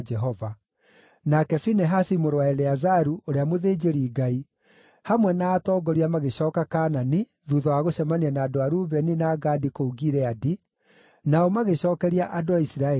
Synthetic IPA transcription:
d͡ʒɛɦɔva | nakɛfinɛɦasimoɾowaɛlɛazaɾuʔoɾeamoðeːd͡ʒeɾiɡai | hamwɛnaːtɔːɡɔɾiamaɣeɕɔːkakaːnani | ðuðɔwaɣoɕɛmanianaːdoaɾuβɛninaːɡadikouɡiɾɛadi | naɔmaɣeɕɔːkɛɾiaʔadoaisiɾaɛ

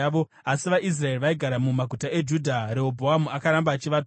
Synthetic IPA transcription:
ʋo̞ | asiʋaʔis̬rae̞iʋaiɡʱaɾamumaɡʱutaʔe̞d͡ʒudʱaɾe̞obʱoɦamuakaɾambaːt͡ʃiʋat

